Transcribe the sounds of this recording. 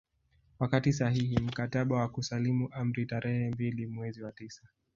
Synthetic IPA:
wakatis̬aɦihim̩kataɓawakusalimuʔam̩ɾitaɾɛhɛmbilimwɛziwatisa

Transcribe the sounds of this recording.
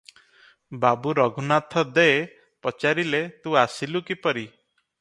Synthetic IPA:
babuɾɔɡʱunat̪ʰɔd̪ee | pɔt͡ʃaɾilet̪uasilukipɔɾi

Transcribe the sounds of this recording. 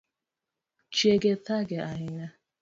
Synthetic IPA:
t͡ʃieɡetaɡeaɲɪɲa

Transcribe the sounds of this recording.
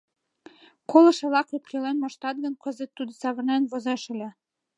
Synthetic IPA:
kolˠɤ̆ʃɤ̆lɑkut̪̚kʲelenmɑʃt̪ɑt̪̚ɡə̆nkɤ̆zɘ̆t̪ːud̪ɤ̆sɑβɤ̆rnenβozɑʃɘ̆lʲĕ

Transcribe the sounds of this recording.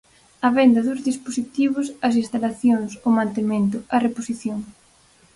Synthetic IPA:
ɐβɛnd̪ɐðʊzðisposit̪iβʊsɐs̬ĩnst̪alaθjoŋsomãnt̪emẽnt̪ʊɐreposiθjoŋ

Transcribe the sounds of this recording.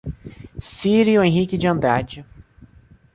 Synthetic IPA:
siɾiʊẽɦikɪd͡ʒɪɐ̃nd̪ɾad͡ʒɪ

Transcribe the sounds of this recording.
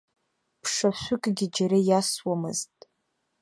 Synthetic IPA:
pʰʂaʃʷʊkʼɡʲid͡ʒaɾajaswamɨ̰ztʼ

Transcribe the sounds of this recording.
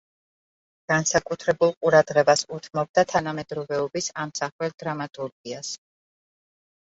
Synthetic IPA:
ɡ̥ansakʼut̪ʰɾɛbulˠqʼuɾad̪ʁɛbasut̪ʰmɔb̚d̪at̪ʰanamɛd̪ɾɔvɛɔbisamsaχwɛld̪̥ɾamat̪ʼuɾɡias

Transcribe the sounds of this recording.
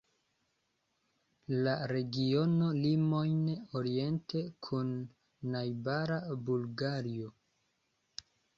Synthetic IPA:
laɾe̞ɡio̞no̞limo̞jnoɾie̞ntʰe̞kʰunː | ajbaɾabulɡaɾio

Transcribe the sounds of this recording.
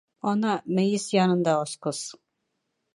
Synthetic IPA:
ɒnɑmɘ̆jɘsjɑnɤ̆nd̪ɑɒsqɤs

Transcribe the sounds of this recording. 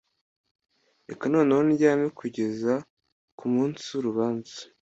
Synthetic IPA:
ekano̞ːnewoniɟaːmekʰuɟe̞za | kumuːnsiuɾuβaːnzḁ

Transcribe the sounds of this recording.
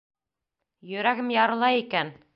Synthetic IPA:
jɵ̆ɾæɡɘmjɑɾɤ̆lˠɑjikæn

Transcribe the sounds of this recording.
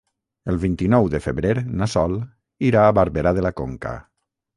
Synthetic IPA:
əlˠβint̪inɔwðəfəβɾeɾnasɔl | iɾaːβaɾβeɾaðəlakoŋka̰

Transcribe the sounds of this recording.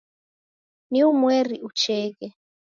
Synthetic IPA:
niumwɛɾiʔut͡ʃɛːkɛ

